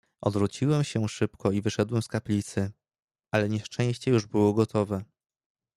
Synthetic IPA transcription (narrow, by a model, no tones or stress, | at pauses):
ʔɔd̪vɾut͡ɕiwɛmɕɛʂɘpkɔivɘʂɛd̪wɛmskaplʲit̪sɘ | ʔalɛɲɛʂt͡ʂɛ̃j̃ɕt͡ɕɛjuʐbɘwɔɡɔt̪ɔvɛ